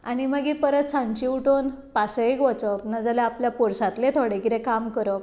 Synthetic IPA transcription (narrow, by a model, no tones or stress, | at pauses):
a̰ɽ̃iməɡiːpəɾət̪sãɲt͡ɕiuʈon | pasəekʋət͡səpnad͡zaljaapljapuɾsat̪lẽt̪ʰoɽekiɾekamkəɾəp̚